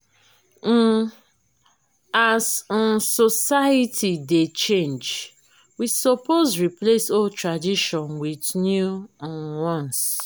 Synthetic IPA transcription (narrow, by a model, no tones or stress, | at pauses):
aznsosaitʰidet͡ʃẽnd͡ʒ | wisopozɹiplesoltɹadiʃɔ̃nwidnjuwɔ̃ns